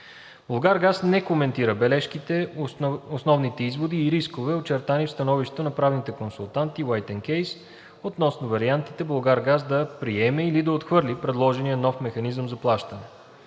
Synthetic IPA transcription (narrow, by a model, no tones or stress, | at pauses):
bolˠɡaɾɡasnɛkomɛnt̪iɾəbɛlɛʃkit̪ɛ | osnɔvnit̪ɛizvod̪iːɾiskovɛot͡ʃɛɾt̪anifst̪ɐnɔviʃt̪ɛt̪onɐpɾavnit̪ɛkonsʊlˠt̪ant̪iwajt̪ɛnkɛjs | ot̪nɔsnʊvɐɾiant̪it̪ɛblˠɡaɾɡazd̪ɐpɾiɛmɛilid̪ɐot̪xvɤɾlipɾɛd̪lˠɔʒɛnijənɔfmɛxɐnizəmzɐplˠaʃt̪ɐnɛ